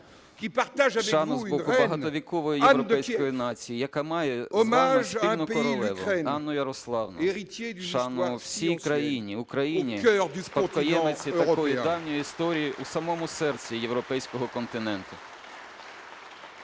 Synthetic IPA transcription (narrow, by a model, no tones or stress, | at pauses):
kʲipaʁt̪aʒaʃɛɑnɔzbɔʊbɐɦɑɔʋʲikɔʋɔjijwɾɔpɛjskɔjinɑt͡sʲijijɐkamɑjɛɔmaʒinɔpɔɾɔɛʋɔ̰ɛnɑnːɔjɐɾɔslˠɑwnɔ̰eʁit̪jed̪ʃɑnɔwsʲijkɾɐjinʲiʊkɾɐjinʲikd̪spɐkɔjɛmet͡sʲiɐʁkɔjjʊd̪ɑwnʲɔjiist̪ɔɾʲijiʔusɐmɔmʊsɛrt͡sʲijewɾɔpɛjsʲkɔɦɔkɔnt̪ɪnɛnt̪ʊ